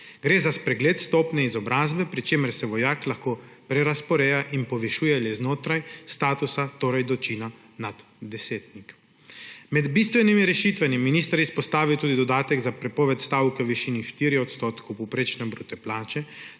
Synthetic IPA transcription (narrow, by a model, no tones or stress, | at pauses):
ɡɾeːzaspɾɛɡleːt̪st̪ɔːpnɛizɔbɾaːzbɛpɾit͡ʃeːməɾsɛʋɔjaːklaxkoːpɾɛɾaspɔɾɛːjaʔinpɔʋɛʃuːjɛlɛznoːt̪ɾajst̪aːt̪usat̪oːɾajd̪ɔt͡ʃiːna | nad̪ | d̪ɛseːt̪nik | mɛd̪bist̪ʋɛnimiɾɛʃit̪ʋamiminiːst̪aɾispɔst̪aːʋiwt̪uːd̪id̪ɔd̪aːt̪ɛɡzapɾɛpɔːʋɛt̪st̪aːwkɛwʋiʃiːniʃt̪iɾiɔt̪st̪oːt̪kɔwpɔpɾet͡ʃnɛbɾuːt̪ɛplaːt͡ʃɛ